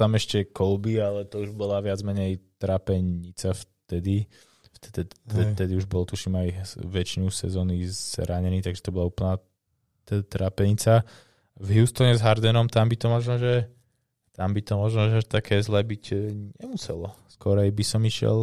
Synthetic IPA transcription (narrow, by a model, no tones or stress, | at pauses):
t̪amɛʃcɛkɔlbialɛt̪ɔuʒbɔlaʋɪad͡zmɛɲɛjt̪ɾaːpɛɲit͡saft̪ɛd̪i | ft̪ɛt̪ɛɛt̪ɛd̪iuʒbɔlt̪uʃiːmajʋɛt͡ʃinusɛ̰zɔːnizz̥ɾaɲɛniːt̪aɡʒɛ̥t̪ɔbɔlauːpl̩ˠna | t̪ɾaːpɛɲit͡sa | vɦjust̪ɔɲɛzɦaɾd̪ɛnɔmt̪ambit̪ɔmɔʒnɔːʒɛ | t̪ambit̪ɔmɔʒnɔːʒɛaʃt̪akʰɛːzlɛːbicɲɛmusɛ̰lɔskɔɾajbisɔmiʃɪɛ̰l